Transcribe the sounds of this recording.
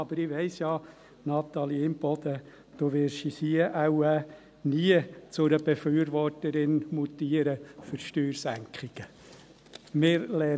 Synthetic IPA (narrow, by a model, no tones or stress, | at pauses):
ɑb̥əɾɪʋɛɪsjɑː | nɑt̪ɑliɪmb̥ɔd̪̥ə | d̪̥oʋɪɾʃisiəʔawæ | niət͡sʊɾəb̥efyːəɾʋɔrtəɾɪnmut̪iəɾəføɾʃtyːɾsæŋkχɪɡ̥ə | mɪɾlɛ